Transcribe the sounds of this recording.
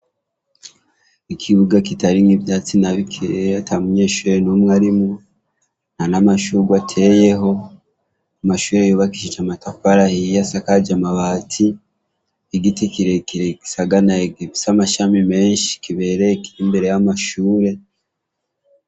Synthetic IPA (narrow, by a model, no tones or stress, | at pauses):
ikʰiβuɡakitaɾiŋivjat͡sinaβikʰiɾatʰamuɲe̞ːʃuːɾe̞numŋaɾimu | nanamaʃuɡwatʰe̞je̞ɦo̞ | amaʃuːɾejoːβakiʃit͡ʃamatafaɾahijasakad͡ʒamaβaːtʰi | iɡitikiɾe̞kiɾeki̥saɡanaeɡeβisamaʃamime̞ːnʃi̥kiβe̞ɾekiimbe̞ɾe̞jamaʃuːɾe̞